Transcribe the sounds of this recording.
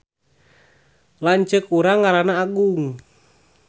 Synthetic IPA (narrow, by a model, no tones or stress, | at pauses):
laɲt͡ʃəkuɾaŋaɾanaːɡuŋ